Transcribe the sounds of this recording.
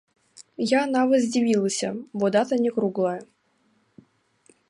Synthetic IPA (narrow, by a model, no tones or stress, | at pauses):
jaːnavəzʲdʲɪvʲilˠəsʲə̰bod̪at̪ənʲɪkɾuɡlˠa